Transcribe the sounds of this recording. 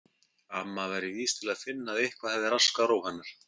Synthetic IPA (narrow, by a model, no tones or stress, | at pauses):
amːavajɾɪviːst̪ʰɪlaðfɪnːaðehkvaðhɛððɪɾaskaɾawhanːaɾ̥